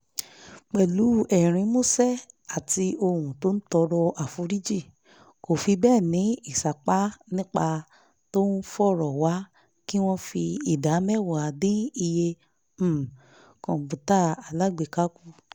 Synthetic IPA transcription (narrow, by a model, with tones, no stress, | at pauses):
k͡pɛ˨lu˨˦ɛ˨ɾ̃ĩ˧mo˦sɛ˦ | a˨ti˧o˧hũ˨to˦n̩˦tɔ˧ɾɔ˧ʔa˨fũ˧˦ɾi˦d͡ʒi˦˨ | ko˨fi˧bɛː˦˨nĩ˨˦i˦˨sa˨k͡pa˦nĩ˦k͡pa˧ | to˦n̩˦fɔ˦˨ɾɔ˨wa˨˦ | ki˦w̃ɔ̃˦fi˧i˨da˨˦mɛ˦˨wa˨a˨dĩ˦i˧je˧˦˨ | kɔ̃˨bũ˨ta˦a˨la˨˦ɡ͡be˨ka˦ku˦